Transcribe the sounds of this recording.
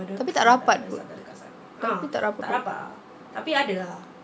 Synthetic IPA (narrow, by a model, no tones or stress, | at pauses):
t̪ap̬it̪aʔɾapat̪̚pʊ̰ | t̪apit̪a̰ʔɾapapa̰ | t̪apiadaa